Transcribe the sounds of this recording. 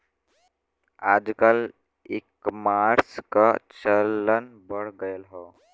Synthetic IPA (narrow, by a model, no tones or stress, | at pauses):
aːd͡ʒkal | ekmaɾska̰t͡ʃəlːənbəɽɡəjəlɦɔ